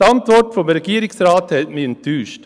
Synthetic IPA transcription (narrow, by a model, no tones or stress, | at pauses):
ɑnt̪ʋɔɖfɔmɾɛɡiːɾɪŋsɾɑːt̪hɛmiːnt̪ʰyːʃt